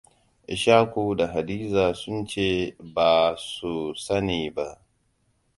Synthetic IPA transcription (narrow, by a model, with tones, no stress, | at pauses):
ʔɪ˨ʃaː˦kʷuː˨da˨ɦa˨diː˦zaː˨sʊ˦nt͡ʃeː˦baː˨su˨sɐ˦niː˨ba˦ʔ